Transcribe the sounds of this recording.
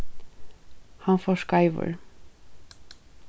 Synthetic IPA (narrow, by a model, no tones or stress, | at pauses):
hɑnfoːʃkɑɪʋə̰ɹ